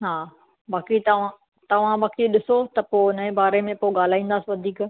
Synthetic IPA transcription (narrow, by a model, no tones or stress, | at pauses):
ɦaː | baːkit̪ɐʋ̤ã | t̪ɐʋ̤ãɓaːkiɗɪsot̪ɐpoːnɐẽbaːɾemẽpoɠaːl̤aːĩːnd̪aːsiʋɐd̪ʱiːk